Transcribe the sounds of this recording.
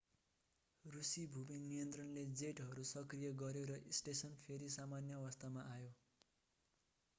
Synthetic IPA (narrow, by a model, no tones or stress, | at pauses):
rusibʱubinːijʌnt̪rʌnled͡zeʈɦʌɾusʌkrijʌɡʌɾjoɾʌʔisʈesʌnpʰeɾisamanjʌːwʌst̪amaʔajo